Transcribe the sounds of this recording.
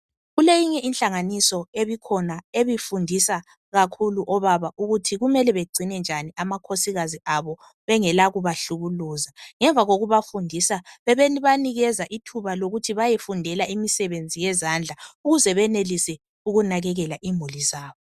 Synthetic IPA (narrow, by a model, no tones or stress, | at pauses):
ɣulejiɲɛʔinɬaŋanisɔeβikʰɔnaeβifundʱisa | ɣakʰuluʔɔβaβaʔuɣutʰiɣumɛlɛβeɡ͡ǀʱinɛnd͡ʒʱaniamakʰosiɣaziaβɔ | βɛŋɛlaɣuβaɬuɣuluːzaŋɛɱvʱaɣoɣuβafundʱisaβɛβeniβaniɣɛzaʔitʰuβaloɣutʰiβajɛfundʱɛlaimisɛβend͡zʱijɛzand͡ɮʱauɣuzɛβɛnelisɛ | uɣunaɣɛɣɛlaʔimulizaːβɔ